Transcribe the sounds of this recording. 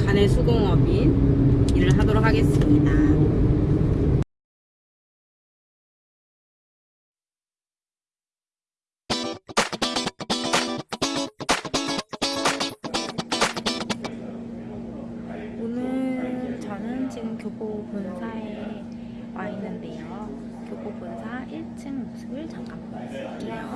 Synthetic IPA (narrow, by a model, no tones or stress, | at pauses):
kanesʰuɡoŋʌbi | iɾɯɭɦadoɾokʰaɡe̞s͈ɯmɲida | onɯɭt͡ɕʌnɯnt͡ɕinɯnkjobopunsʰae̞ | wainːɯnde̞jo | kjobopunsʰaʔiɭt͡ɕʰɯŋmosʰɯbɯɭt͡ɕaŋkʰam͈ | ejo